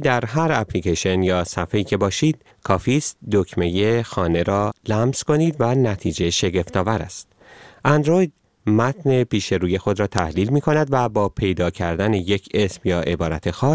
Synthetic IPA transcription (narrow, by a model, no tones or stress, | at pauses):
d̪æɾɦæɾæpʰliːceʃo̞njɒːsæfeiːcʰe̞bɒːʃiːd̪̥ | kʰɒːfiːst̪̚d̪ocʰme̞je̞xɒːne̞ɾɒːlæmz̥ko̞niːd̪vænæt̪ʰiːd͡ʒe̞ʃe̞ɟe̞ft̪ɒːvæɾæ̰st̪̚ | ʔænd̪ɾo̞jd̪̥̚ | mæt̪ne̞piːʃe̞ɾuːje̞xo̞d̪ɾɒːt̪ʰæhliːlmiːkʰo̞næd̪væbɒːpʰe̞jd̪ɒːcʰæɾd̪æneje̞cʰe̞smjɒːʔe̞bɒːɾæt̪ʰe̞xɒːs